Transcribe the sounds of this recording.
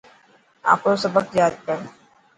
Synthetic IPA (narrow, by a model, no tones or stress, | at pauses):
a̰ːpɾosɐbəkjaːd̪̚kɐɾ